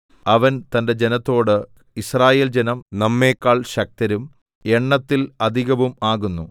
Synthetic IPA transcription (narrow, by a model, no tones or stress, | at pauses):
ɐʋɐnt̪ɐnde̞d͡ʑe̞nɐt̪ːo̞ːɽɨ | israːje̞ːld͡ʑenɐmnɐmːe̞ːkːaːɭɕɐk̚t̪ɐɾum | e̞ɳːɐt̪ːilɐd̪ʱiɣɐʋumaːɣunːu